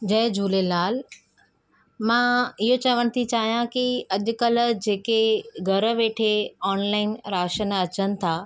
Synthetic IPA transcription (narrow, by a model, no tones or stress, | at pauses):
d͡ʑɐɦd͡ʑʱuːlelaːl | mãːɪɦot͡ɕɐʋəɽ̃̆t̪ʰit͡ɕaːɦijãkiɐʄʊ̆kəl̆d͡ʑeːkeɡʱɐɾə̆ʋeːʈʰeɔːnlaːɪnɾaːʃənɐt͡ɕənɪ̆t̪ʰaː